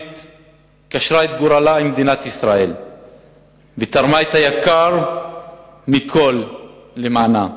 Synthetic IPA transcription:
t̪ | kaʃʁaet̪̚ɡuɾalaimd̪inat̪isʁael | vet̪aʁmaet̪hajakaɾ | mikʰo̞lːemaːna

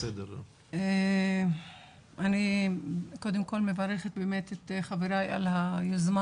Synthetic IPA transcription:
sed̪eɾ | e | ʔani | kod̪emko̞lmevaɾeχet̪̚bemet̪et̪χaveɾaja̰lhajozma

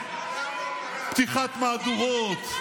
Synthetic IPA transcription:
pt̪iχat̪maːd̪uʁot̪

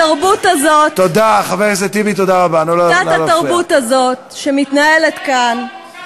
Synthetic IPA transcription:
aʁbutazo̞tːod̪aχaveʁʃzet̪ibit̪odaʁabanuloatataʁbutazo̞t̚ʃemitnae̞le̞tkan

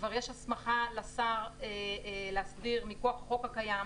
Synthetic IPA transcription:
vaʁjeʃhasmaχalasaʁeleasbiʁmikoaχχo̞khakajam

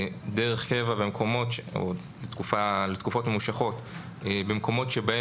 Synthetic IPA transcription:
deʁeχkevabemkʰo̞mo̞to̰ | let̪kufalet̪kufo̞tmemuʃaχo̞t | ebemko̞mo̞tʃebae

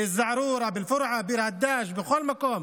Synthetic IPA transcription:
ɪzːaʕɾuːɾˤɑbɪlfʊɾʕabiːɾhad̪ːaːʃbɪxoːlmakoːm

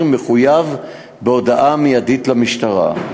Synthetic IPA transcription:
meχujav | beo̞daʔamijaditlamiʃtaʁa̰

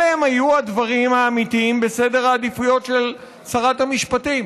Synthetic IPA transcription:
eemhajuad̪vaʁimaːmitiimbe̞se̞de̞ʁaːd̪ifujo̞tʃe̞l | saʁathamiʃpatim

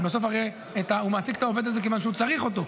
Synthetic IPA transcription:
bos̬o̞faʁe | et̪aumaːsikt̪ao̞ve̞d̪azekevanʃeut͡saʁiχo̞t̪o̞

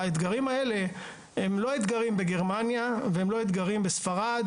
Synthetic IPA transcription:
aet̪ɡaʁimae̞le̞ | hemlo̞et̪ɡaʁimbeɡe̞ʁmanjavehemlo̞it̪ɡaʁimbesfaʁad̪

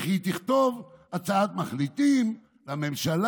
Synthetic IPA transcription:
χit̪iχt̪o̞vat͡saat̪maχlit̪im | lame̞mʃal

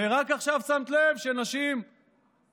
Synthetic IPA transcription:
eʁakaχʃavsamt̪levʃenaʃim

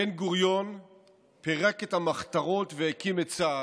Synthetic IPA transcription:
enɡuʁjo̞n | peʁakethamaχtaʁo̞tvehekimet̚t͡saː

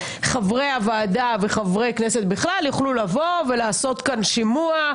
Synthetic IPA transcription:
χavʁejavaːdaveχavʁe̞jkneset̪biχlaljuχlulavo̞ve̞laːso̞t̪kanʃimua

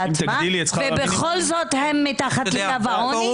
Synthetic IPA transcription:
madilet͡svebeχolzot̪hemːitaχatleɡavaon

